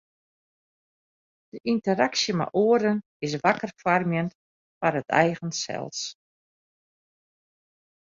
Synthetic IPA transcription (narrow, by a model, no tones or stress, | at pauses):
d̥əʔintəɾaksjəma̰ʔoədən | ɪs̬ʋakərfarmjən | farətʰɛ̰jɣənsɛ̰lˠs